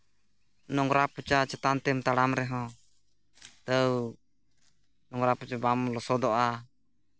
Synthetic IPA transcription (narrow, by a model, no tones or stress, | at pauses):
nɔŋɾaput͡ʃat͡ʃɛt̪ant̪ɛmt̪aɽamɾɛɦɔ̃ | t̪əw | nɔŋɾaput͡ʃabamlɔsɔd̪ɔʔa